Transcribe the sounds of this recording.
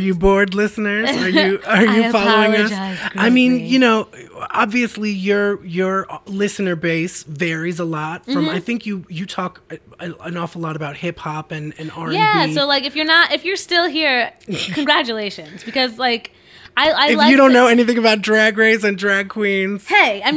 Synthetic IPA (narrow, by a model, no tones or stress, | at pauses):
ə˞jɨbɔɹdˡlɪsnə˞zə˞jɨə˞jɨfɑlˠoʊɪ̃ŋʌaɪmĩnjɨnoʊɑbviɨslijə˞jə˞lɪsɨnə˞beɪsvɛɹizəlɔt̚sʌ̃maɪθɪ̃ŋkʰjɨjɨtʰɔkəə̃nɔfəlɔɾəbaʊt̚hɪphɑpɨ̃nɨ̃nɑɹjæsoʊlaɪkɨfjə˞nətɨfjə˞stɪlˠɦiɹkʰɨ̃nɡɹæt͡ʃɨleɪʃɨ̃nzb̥ɨkʌzlaɪk | ʔaɪaɪɨljɨɾõʊ̃nːoʊɛniθɪ̃ŋɨbaʊt̚dɹæɡɹeɪzɨ̃ndɹæɡ̚kʰw̥ĩnz̥heɪaɪ